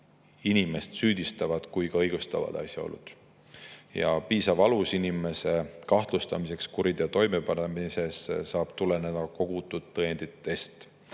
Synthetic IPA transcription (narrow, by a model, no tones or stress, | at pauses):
inime̞st̪syːd̪̥ist̪ɑvɑd̪̥kujkɑɤjɡ̥ust̪ɑvɑ̰d̪̥ɑ̰sʲjɑo̰lːṵd̪̥ | jɑ̰piːsɑvɑlusinime̞se̞kɑht̪lust̪ɑmise̞kskuɾid̪̥jɑt̪o̞jme̞pɑnemise̞ssɑːb̥t̪ule̞ne̞d̪̥ɑko̞ɡ̥ut̪ːˑud̪ːɤend̪̥it̪ːe̞st̪